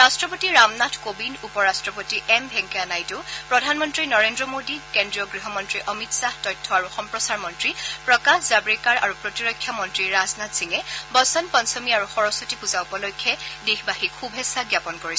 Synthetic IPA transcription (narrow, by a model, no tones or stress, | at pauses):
ɹastɹɔpotiɹamnatʰkobinupɔɹastɹɔpotiʔɛmbʱɛŋkɛanajtʊpɹɔdʱanmɔntɹinɔɹendɹɔmodikendɹijɔɡɹiɦɔmɔntɹiʔɔmitsahtɔjtʰːɔaɹuxɔmpɹɔsaɹmɔntɹipɹɔkaxzabɹikaɹa̰ɹupɹotiɹɔjkʰːjamɔntɹiɹaznatsiŋɛbɔsɔnpɔnsɔmiaɹuxɔɹɔsotipuzaʊpɔlɔjkʰːjɛdexbahikʰubʱɛsaɡjapɔnkoɹi